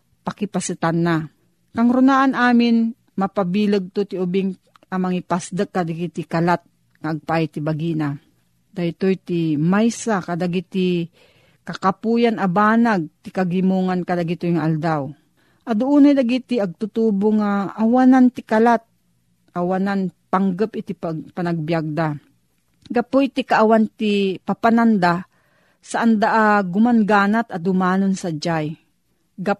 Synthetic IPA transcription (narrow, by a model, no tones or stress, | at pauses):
pakɪpasɨt̪anːa | kaŋɾʊnaʔanaːmɪn | mapabiːləɡ̚t̪ot̪ɪʊbɪŋ | amaŋɪpasd̪əkːad̪aɡɪt̪ɪkalat̪̚ | ŋaːɡ̚pat̪ɪbaɡina | d̪aɪt̪ojt̪ɪmajsakad̪aɡit̪ɪ | kakapujanabaːnaɡ̚t̪ɪkaɡɪmuŋankad̪aɡɪt̪ojŋaʔald̪aw | ʔad̪ʊʔunajd̪aɡit̪ɪaɡ̚t̪ʊt̪uboŋaʔːwanant̪ɪkalat̪̚ | ʔawananpaŋɡəpɪt̪ɪpapanaɡ̚bjaɡ̚d̪a | ɡapʊʔit̪ikaʔawant̪ɪpapanand̪a | saʔand̪aʔaɡʊmanɡaːnat̪ad̪ʊmaːnonsad͡ʒaj | ɡa